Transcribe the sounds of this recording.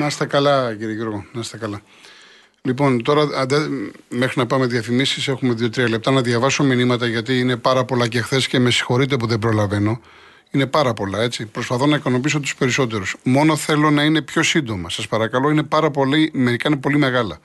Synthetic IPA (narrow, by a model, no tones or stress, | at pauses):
nɐst̪ɐkɐlɐciɾieʝuɾɣonɐsst̪ɐkɐlɐ | lipo̞nt̪o̞ɾɐɐnd̪ɐme̞xɾinɐpɐme̞ðiɐfimisise̞xumeðio̞t̪ɾiɐle̞p̚t̪ɐnɐðʝɐvɐso̞minimɐt̪ɐʝɐt̪iːne̞pɐɾɐpo̞lɐcexθe̞sce̞me̞si̥xo̞ɾit̪̬e̞p̬uðebɾo̞lɐve̞no̞ | ine̞pɐɾɐpo̞lɐe̞t͡ssipɾo̞spɐθo̞nɐikɐno̞pis̬o̞t̪u̥spe̞ɾiso̞t̪e̞ɾusmo̞no̞θe̞lo̞nɐine̞pço̞sind̪o̞mɐsɐspɐɾɐkɐlo̞inepɐɾɐpo̞lime̞ɾikɐinepo̞lime̞ɣɐlɐ̰